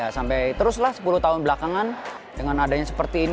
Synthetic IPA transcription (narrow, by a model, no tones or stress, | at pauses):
asampɛjt̪əɾʊslahsə̥pulʊht̪aɦʊnbəlakaŋan | dəŋanadaɲasə̥pərt̪iːn